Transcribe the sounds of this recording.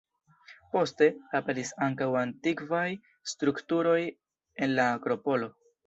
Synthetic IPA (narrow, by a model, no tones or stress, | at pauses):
po̞ste̞ape̞ɾisaŋkawantikvaj | stɾuktuɾo̞j | e̞nlaːkɾo̞po̞lo̞